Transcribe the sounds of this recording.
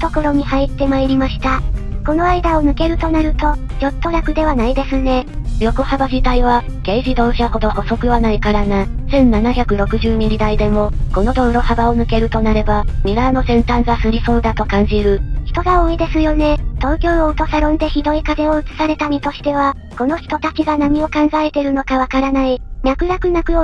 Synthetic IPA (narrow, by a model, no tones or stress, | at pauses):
t̪o̞ko̞ɾo̞ɲ̟ihait̪ːe̞maeɾʲimaɕi̥t̪ako̞no̞aid̪aonɯ̟ke̞ɾɯ̟t̪o̞naɾɯ̟t̪o̞d͡ʑo̞t̪ːo̞ɾʲakɯ̟d̪e̞β̞anaid̪e̞sɨne̞ɾʲo̞ko̞habaʑit̪aiβ̞a | ɡ̥e̞ːʑid̪o̞ːɕaho̞d̪o̞ho̞so̞kɯ̟βanaikaɾanasẽ̞nːanaçʲakɯ̟ɾo̞kɯ̟ʑɨːɲ̟iɾʲid̪aid̪e̞mo̞ko̞no̞d̪o̞ɯɾo̞habaonɯ̟ke̞ɾɯ̟t̪o̞naɾe̞bamʲiɾaːno̞sẽ̞nt̪ãŋɡasɨɾʲiso̞ːd̪at̪o̞kãɲ̟d͡ʑiɾɯ̟çi̥t̪o̞ɡaoːid̪e̞sɨjo̞ne̞t̪o̞ːkʲo̞ːoɯ̟t̪o̞saɾõ̞nd̪e̞çid̪o̞ikaze̞oɯ̟t͡sɨ̥saɾe̞t̪amʲit̪o̞ɕi̥t̪e̞β̞a | ko̞no̞çi̥t̪o̞t̪at͡ɕiɡanaɲ̟io̞kãŋɡae̞t̪e̞ɾɯ̟no̞kaβ̞akaɾanaiɲʲakɯ̟ɾakɯ̟nakɯ̟o